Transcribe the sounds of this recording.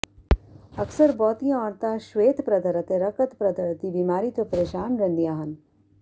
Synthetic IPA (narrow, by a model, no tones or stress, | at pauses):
ɐksəɾbɔːt̪ijãɔːɾt̪aʃweːt̪pɾɐd̪ʱɐɾɐt̪eɾɐkət̪pɾɐd̪ʱɐɾt̪ibiːmaːɾiːt̪opɐɾeːʃaːnɾɐ̃nd̪ijaɦɐn